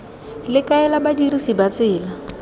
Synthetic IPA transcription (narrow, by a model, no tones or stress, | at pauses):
lɪkaɛlabadirisibat͡sɪːla